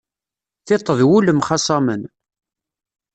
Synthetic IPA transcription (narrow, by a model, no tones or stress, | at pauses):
θɪt̪ˤːəðwuləmχɑsˤɑmən